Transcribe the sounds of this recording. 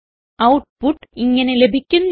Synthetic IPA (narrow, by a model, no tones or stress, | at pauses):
ɐwʈ̚puʈːiŋːɐnelebʱikʲːunː